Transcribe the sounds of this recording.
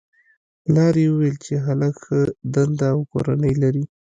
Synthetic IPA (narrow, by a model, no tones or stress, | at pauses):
lɑɾewəwelt͡ʃeɦalakxəd̪and̪aːwko̰ɾanəjlaɾi